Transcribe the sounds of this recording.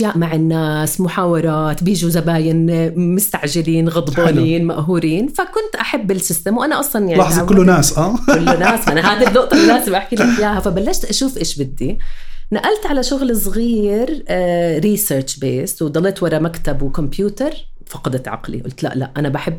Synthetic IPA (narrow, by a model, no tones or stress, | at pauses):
ʔaʃjaːʔmaʕɪnːaːsmʊħaːwɑɾˤɑːt̪bjiːʒuzabaːjɪnmʊst̪aʕʒɪliːnɣɑd̪ˤbɑːniːnmaʔɦuːɾiːnfakʊnt̪ʔaħabːɪlsɪst̪amwʔanaʔɑsˤlɑnjaʕlɑħzˤɑʊlːnaːsʔaːʊlːnaːsʔanaɦaːd̪id̪oːʔt̪ˤɑlːaːzɪmʔaħkilɪħjaːhafabalːaʃt̪ʔaʃuːfʔeːʃbɪd̪ːinaʔalt̪ʕalaʃʊɣlsˤɣiːɾɾiːseːɾt͡ʃbeːswd̪ˤɑlːeːt̪wɑɾˤɑmakt̪abwkʊmpjuːt̪ɑɾˤ | fɑqɑd̪ɪt̪ʕɑ̰qlḭʔʊ̰lt̪la̰ʔla̰ʔʔanabaħɪbː